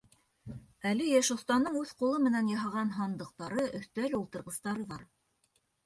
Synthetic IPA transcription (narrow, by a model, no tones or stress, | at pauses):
ælɘjæʃŏθt̪ɑnd̪ɤɴʉðqulˠɤmɘ̆nænjɑɦɑʁɑnɦɑnd̪ɤ̆q̚t̪ɑɾɤʔɵ̆θt̪ælɘulˠt̪ɤ̆ɾʁɤ̆st̪ɑɾɤðɑɾ